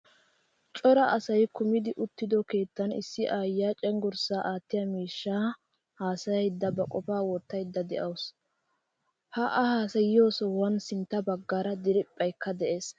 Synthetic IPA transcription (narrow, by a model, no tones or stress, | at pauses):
t͡ʃʼɔɾɐʔɐsɐjkʊmɪd̪ɪʔʊt̪ːɪd̪ɔke̞ːt̪ːɐnɪ̰sːɪʔaːjːaːt͡ʃʼɛŋɡɔɾsaːʔaːt̪ːɪjɐmiːʃːaː | haːsɐjɐjd̪ːɐbɐkʼɔpaːwɔt̪ːɐjd̪ːɐd̪ɛ̰ʔɐws | hɐʔɐhaːsɐjɪjo̞ːsɔwɐnsɪnt̪ːɐbɐɡːaːɾɐd̪ɪɾɪpʼːɐjkːɐd̪ɛʔe̞ːs